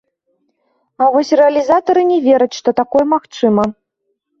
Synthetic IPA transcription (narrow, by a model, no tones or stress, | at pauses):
ɐvɔsʲrɛɐlʲizat̪ɐɾɨnʲɛvʲɛɾɐt͡sʲʂt̪ɔt̪akɔjɛmaxt͡ʂɨmɐ